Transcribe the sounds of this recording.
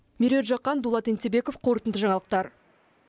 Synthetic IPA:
mʲiɾʲet̪ʒɑqːɑnd̪ulˠɑt̪ent̪ebe̞ko̞fqʰo̞ɾət̪ənd̪əʒɑɴɑlˠəq̚t̪ɑɾ

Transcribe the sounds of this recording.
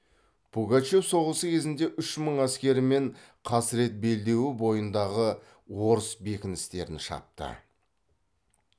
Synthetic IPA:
b̥uɡat͡ʃe̞fso̞ʁəsəkʲʰe̞zɪnd̪e̞ʔʏʃməɴæskʲe̞ɾɪme̞ɴ | qʰɑsɪɾe̞t̪̚be̞ld̪e̞wɪbo̞jənd̪ɑʁə | wo̞ɾəsbe̞kʲɪnɪst̪e̞ɾɪnʃɑ̰p̚t̪ə̰

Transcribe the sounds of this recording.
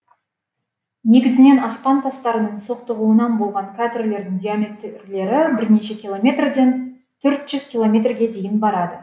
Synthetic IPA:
ne̞ɡʲɪzɪne̞nɑspɑnt̪ʰɑst̪ɑɾənəɴso̞qt̪əʁuənɑnbo̞lˠʁɑɴkʲʰat̪rle̞ɾd̪ɪŋd̪ʲiamʲet̪rle̞ɾɪbɪɾne̞ʃe̞kʲilˠomʲe̞t̪rd̪e̞n | t̪ʰɵɾt̪ʒ̥ʏzkʲilˠo̞mʲe̞t̪rɡʲe̞d̪e̞jɪnbɑɾɑd̪ə

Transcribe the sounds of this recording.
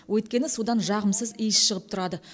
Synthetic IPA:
wʔɵt̪̚kʲe̞nɪsud̪ɑnʒɑʁəmsəzijsʃəʁəp̚t̪ʰʊɾɑd̪ə

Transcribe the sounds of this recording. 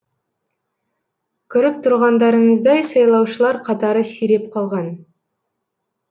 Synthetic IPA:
kʲʰʏɾɪp̚t̪ʰʊɾʁɑnd̪ɑɾəɴəzd̪ɑjsɑjlˠɑwʃəlˠɑɾqʰɑt̪ɑɾəsijɾe̞p̚qʰɑlˠʁɑn

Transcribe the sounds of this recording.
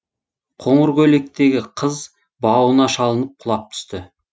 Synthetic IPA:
qʰo̞ɴəɾkʲɵle̞k̚t̪e̞ɡʲɪqʰəz | bɑwənɑʃɑlˠənəp̚qʰʊlˠɑp̚t̪ʰʏ̥st̪ɪ

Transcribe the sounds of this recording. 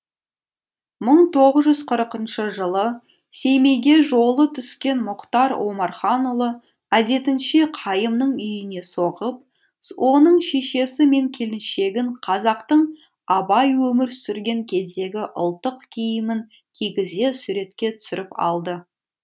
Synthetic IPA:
məɴt̪ʰo̞ʁəzʒʏzqʰəɾəqənʃəʒəlˠə | se̞jme̞jɡʲe̞ʒo̞lˠət̪ʰʏskʲe̞nmʊqt̪ɑɾwomɑɾχɑnʊlˠə | æd̪e̞t̪ɪnʃeqʰɑjəmnəɴʏjɪne̞soʁəp̚ | wʔo̞nəɴʃe̞ʃe̞sɪme̞ŋkʲʰe̞lɪnʃe̞ɡʲɪɴqʰɑzɑqt̪əɴ | ɑbɑjwɵmɪɾsʏɾɡʲe̞ŋkʲʰe̞zd̪e̞ɡʲɪʔʊ̰lˠt̪ːəqkʲʰejɪmɪŋ | kʲʰeɡʲɪze̞suɾe̞t̪kʲe̞t̪ʰʏ̥sɪɾɪpɑ̰lˠd̪ə

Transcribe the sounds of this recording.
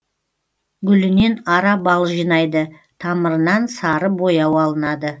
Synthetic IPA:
ɡʲʏlɪne̞nɑɾɑbɑlˠʒijnɑjd̪ə | t̪ʰɑməɾənɑnsɑɾəbo̞jɑwɑlˠənɑd̪ə

